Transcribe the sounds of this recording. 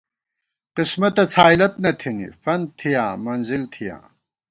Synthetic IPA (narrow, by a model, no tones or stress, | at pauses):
qismɐt̪ɐt͡sʰaːjlɐt̪nɐt̪ʰinḭfɐnt̪ʰijaːmɐnzilt̪ʰijã̰ː